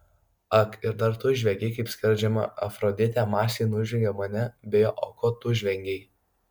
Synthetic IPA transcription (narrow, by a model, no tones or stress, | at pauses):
ɐkɪɾd̪ɐɾt̪ʊʒʲʋʲɛɡʲeɪkɐɪpʲsʲkʲɪɾʲd͡ʒʲɛmɐ̰ʔɐfɾɔd̪ʲɪt̪ʲæmɑːsʲeːnʊʒʲʋʲɛŋʲɡʲɛmɐnʲɛbʲejoːʔɔkot̪ʊʒʲʋʲɛŋʲɡʲɛɪ